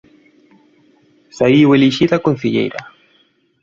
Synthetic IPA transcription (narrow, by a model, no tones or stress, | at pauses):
saiweliʃiðakon̟θiʎḛjɾa̰